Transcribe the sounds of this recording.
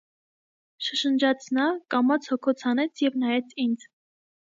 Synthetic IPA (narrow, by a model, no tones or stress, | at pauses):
ʃəʃənd͡ʒɑt͡sʰnɑkɑmɑt͡sʰhɔkʰɔt͡sʰhɑnɛt͡sʰjɛvnɑjɛt͡sʰind͡z